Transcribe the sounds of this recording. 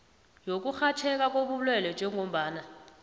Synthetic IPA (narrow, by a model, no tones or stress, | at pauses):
jok̬uxat͡ʃʰɛk̬ak̬ʼoɓulwɛlɛnd͡ʒʱɛŋʱom̩ɓaːna